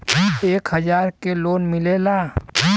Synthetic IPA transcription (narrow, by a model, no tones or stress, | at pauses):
eːkhɐzaːɾkeloːnmɪleːlaː